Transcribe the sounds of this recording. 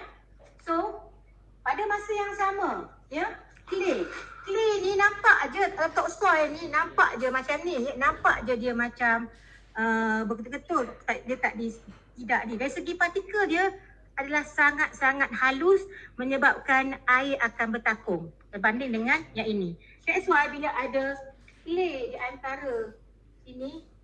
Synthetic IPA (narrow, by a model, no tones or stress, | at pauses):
so | padamasəjaŋsamã | jə | kilek̪ileininãmpaʔd͡ʒəət̪ɔk̚stɔninãmpa̰ʔd͡ʒəmat͡ʃamnihnãmpaʔd͡ʒədiəmãt͡ʃam | əbəkət̪kɡət̪ʊlt̪aʔdiət̪aʔdit̪idaʔdidaisəɡipat̪ikədiə | adalahsaŋat̪̚saŋat̪̚halʊsmə̃ɲəbap̚kanaɪɾakanbərt̪akʊŋt̪ərbandɪŋdəŋanjaʔinĩ | kasuajbilaʔadə | klediʔant̪aɾə | ini